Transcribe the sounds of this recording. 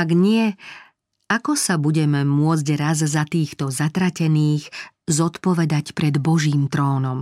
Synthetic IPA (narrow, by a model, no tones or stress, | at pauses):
aɡɲɪɛ | akɔsabuɟɛmɛmʊɔd͡zɟɾazzat̪iːxt̪ɔzat̪ɾacɛniːx | zɔt̪pɔʋɛd̪acpɾɛd̪bɔʒiːmt̪ɾɔːnɔm